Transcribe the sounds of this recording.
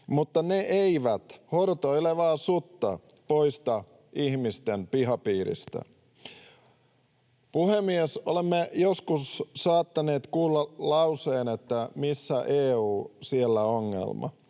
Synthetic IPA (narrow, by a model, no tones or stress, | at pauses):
mut̪ːɑneʔeiʋæt̪hort̪oeleʋɑːsut̪ːɑ̰ | po̞ist̪ɑ | ihmist̪empiɦɑpiːɾḭst̪æ̰ | puhemiesolemːejoskussɑːt̪ːɑneːt̪kuːlːɑlɑuwseːnet̪ːæmisːæʔeːuːsielːæoŋːḛlmɑ̰